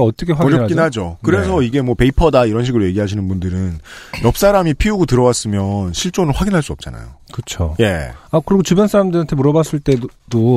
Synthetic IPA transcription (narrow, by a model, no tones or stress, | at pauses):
ʌt͈ʌkʰewaɡiokinɦad͡ʑokɯɾe̞sʰʌiɡe̞mwʌpe̞ipʰʌdaiɾʌnɕʰiɡɯɾoje̞ɡiɦaɕʰinɯnbundɯɾɯnjʌp̚s͈aɾamipʰiuɡotɯɾʌwas͈ɯmjʌnɕʰiɭt͡ɕ͈onɯɭɸwaɡinɦaɭs͈uʌp̚t͡ɕ͈a̰na̰jo̰kɯt͡ɕʰoje̞̰akɯɾiɡot͡ɕubjʌnsʰaɾamndɯɾiantʰemuɾʌbas͈ɯɭt͈e̞do